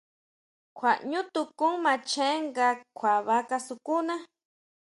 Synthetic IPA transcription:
kʰʷa˨ʔɲũ˦t̪u˧kũ˦ŋmã˧t͡ʃẽ˦ŋɡa˧kʰʷa˨βa˧˦ka˧su˧ku˦nã˦

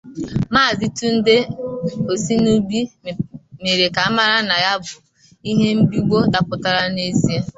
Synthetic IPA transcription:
maː˦˨zi˦tu˦n̩˦de˦o˨si˦nu˦ɡ͡bi˦ | me˨ɾe˨ka˨a˦ma˦ɾa˦na˨ja˦bʊ˨ | i˦ɦe˦m̩˦bi˦u˦ɡ͡bo˦da˨pʊ˨ta˦ɾa˦ne˦zi˦e˦

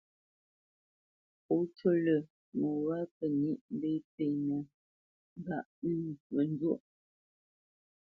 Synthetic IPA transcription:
o˨˦to˦lə˨ | mo˨ɣa˦pə˨ni˦ʔm̩˦be˦pe˨nə˨˦ | ɡa˨ʔmə˨n˦do˦˨ʔ

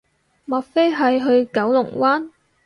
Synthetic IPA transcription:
mɐ˨t̚fe˥jɦɐ˨jɦɵ˧ɥkɐ˨˥wlʊ˨˩ŋwaː˥n

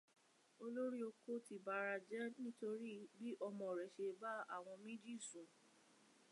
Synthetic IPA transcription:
o˧lo˦ɾi˦o˧ko˦ti˨ba˨˧ɾa˧d͡ʒɛ˦nĩ˦to˧ɾi˦bi˦ʔɔ˧mɔ̃˨ɾɛ˨ʃe˧ba˦a̰˦˨w̃ɔ̃˧mĩ˦d͡ʒi˦˨sũ˨

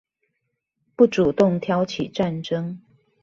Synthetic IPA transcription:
pu˥˩ʈ͡ʂu˨˩t̪ʊ˥˨ŋt̪ʰjɑ˧˥ʊt͡ɕʰi˨˩ʈ͡ʂa˥˨nʈ͡ʂɤ˥ŋ

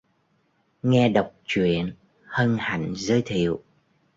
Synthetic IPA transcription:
ŋɛ˧ɗə˨˩wk͡p̚t͡ɕwḭ˧˨ən | hə˧nha̰˧˩jŋzəː˧jt̪ʰḭ˧˨əw

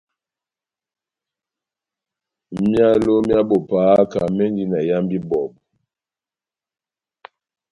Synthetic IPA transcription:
mja˦lo˦mja˦bo˨pa˨˦ka˨mɛ˦ndi˦na˨ja˦mbi˦bɔ˨b

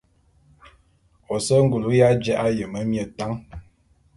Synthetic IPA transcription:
o˨sə˦ŋ˦ɡu˨lu˦ja˦d͡ʒɛ˦ʔa˦jə˨mə˦mjə˨ta˦ŋ

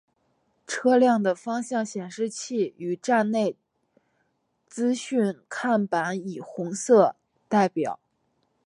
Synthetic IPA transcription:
ʈ͡ʂʰɤ˥ljɑ˥˩ŋd̪ə˩fɑ˥ŋɕjɑ˥˩ŋɕjɛ˨˩nʂɻ̩˥˧t͡ɕʰi˥˩y˨˩ʈ͡ʂa˥˧nne˥˩ɪ | t͡sɹ̩˥ɕy˥˧nkʰa˥˩npa˧˥ni˨˩xʊ˧˥ŋsɤ˥˧ | t̪a˥˩ɪpjɑ̰˨˩˦

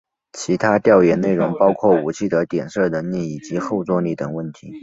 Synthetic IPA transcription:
t͡ɕʰi˧˥t̪ʰa˥t̪jɑ˥˩ʊjɛ˧˨˩ne˥˩ɪɻʊ˧˥ŋpɑ˥ʊkʰwɔ˥˩u˨˩t͡ɕʰi˥˩d̪ə˦t̪jɛ˨˩nʂɤ˥˩nə˧˥nli˥˩i˨˩t͡ɕi˧˥xo˥˩ʊt͡swɔ˥li˥˩t̪ə˨˩ŋwə˥˩nt̪ʰi˧˥

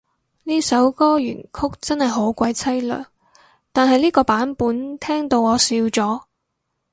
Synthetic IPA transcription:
niː˥sɐ˨˥wkɔː˥jy̰ː˨˩nkʰʊ˥k̚t͡sɐ˥nhɐ˨jɦo˨˥wkʷɐ˨˥jt͡sʰɐ˥jlœ̰ː˨˩ŋ | t̪aː˨nɦɐ˨jliː˥kɔː˧paː˨˥npuː˨˥nt̪ʰɛː˥ŋt̪o˧wɔː˨˧siː˧wt͡sɔː˨˥

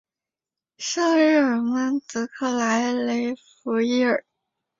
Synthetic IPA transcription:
ʂɤ˥˧ŋɻ̩˥˩ə˨˩mə˥nt͡sɹ̩˧˥kʰɤ˥˩la˧˥ɪle˧˥ɪfu˧˥i˥˩ə˨˩˦

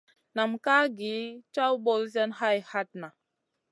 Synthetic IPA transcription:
na˨mka˦ɡi˨˦t͡ʃa˦wbo˦lzɛ˦nha˦jha˦t̚na˨

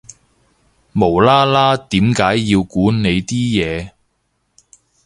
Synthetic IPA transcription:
mo˨˩wlaː˥laː˥t̪iː˨˥mkaː˨˥jːiː˧wkuː˨˥ne˨˧jt̪iː˥jɛː˨˧

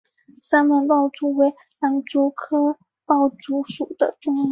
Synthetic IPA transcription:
sa˥nmə˧˥npɑ˥˧ʊʈ͡ʂu˥we˧˥ɪ | la˧˥nʈ͡ʂu˧˥kʰɤ˥ | pɑ˥˩ʊʈ͡ʂu˧˥ʂu˨˩d̪ə̰˦t̪ʊ˥ŋ˧˥

